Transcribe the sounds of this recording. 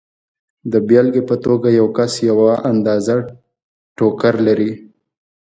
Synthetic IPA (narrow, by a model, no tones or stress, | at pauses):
d̪əbjɑlɡepət̪oɡajawkasjawaʔand̪ɑza | ʈokaɾlaɾi